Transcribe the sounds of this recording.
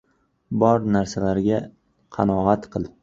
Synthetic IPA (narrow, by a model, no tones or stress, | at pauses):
bɒɾnaɾsalaɾɡʲa | qʰɑnɒat̪qʰɨlˠ